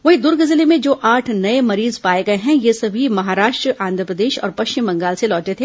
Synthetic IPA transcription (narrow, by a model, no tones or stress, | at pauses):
ʋɐɦĩd̪ʊɾɡɐzɪlemẽd͡ʒoːʔaːʈʰnɐemɐɾiːzpaːeɡɐeɦɛ̃jesɐbʱimɐɦaːɾaːʃʈɾəʔãːnd̪ʱɾəpɾəd̪eːʃɔ̰ːɾpɐʃt͡ʃɪmbɐ̃ŋɡaːlselɔːʈet̪ʰeː